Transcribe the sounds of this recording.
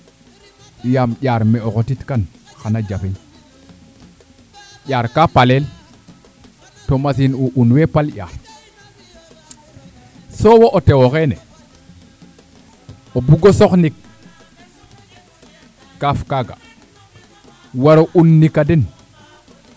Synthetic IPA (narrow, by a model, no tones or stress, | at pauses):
jamʄʲaɾmeokotitkanxanad͡ʒafin | ʄaːɾkapalel | tomas̬inuʔunwepalɟʲa̰ːɾ | sowoʔotewokenḛ | obuɡosoknik | afkaɡa̰ | waɾounːikːaden